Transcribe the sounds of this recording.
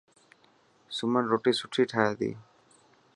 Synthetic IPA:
sumanɾoʈisuʈʰiʈʰaad̪ḭ

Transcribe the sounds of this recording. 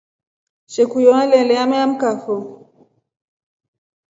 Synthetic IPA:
ʃekujɔalɛ̃lɛamɛam̩kafo

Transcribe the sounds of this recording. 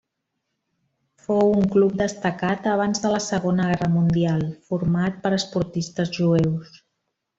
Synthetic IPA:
fowuŋklup̚d̪əst̪əkat̪əβ̞anzðələsəɣ̞onəɣɛrəmund̪ialˠfuɾmat̪̚pəɾəspuɾt̪ist̪əzʒuɛws

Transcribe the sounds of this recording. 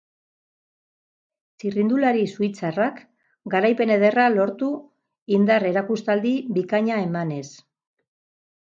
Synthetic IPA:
t͡sirind̪ulaɾisuijt͡sarak | ɡaɾajpe̞ne̞ð̞e̞ralo̞ɾt̪u | ind̪are̞ɾakust̪ald̪iβikaɲae̞mane̞s

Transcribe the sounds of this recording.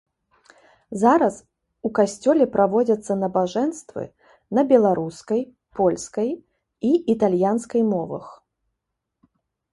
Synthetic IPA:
zaɾɐs | ukasʲt͡sʲɔlʲɛpɾʔavɔd͡zʲɐt̪sːɐnɐbaʐɛnst̪vɨ̰ | nɐbʲɛlˠaɾuskɐj | pɔlʲskɐj | iit̪alʲjanskɐjmɔvɐ̰x

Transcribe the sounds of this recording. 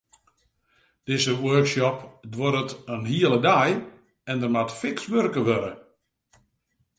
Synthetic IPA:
d̥ɪzəwørksɔpdwɔɾətənhiəlˠədaj | ɛndərmatfɪksʋørkəʋøɾə

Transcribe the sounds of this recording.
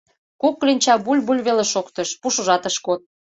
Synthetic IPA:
kuk̚ːlinʲt͡ɕɑbulʲbulʲβeleʃokt̪əʃpuʃuʒɑt̪əʃkot̪̚

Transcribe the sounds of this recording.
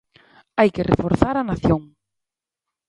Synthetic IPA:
ajkerḛfoɾθaɾanaθjoŋ

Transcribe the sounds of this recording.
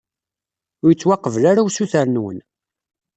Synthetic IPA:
ʊjət͡sːwɑqːəvlaɾawsuθæɾnwə̰n

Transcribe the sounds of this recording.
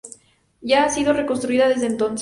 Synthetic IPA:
ʝaːsið̞o̞re̞ko̞nst̪ɾuiðaðe̞zðeːnt̪o̞ns

